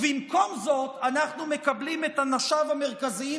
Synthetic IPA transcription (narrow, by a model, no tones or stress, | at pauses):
bimko̞mzo̞t̪anaχnume̞kablimet̪hanaʃavame̞ʁkazi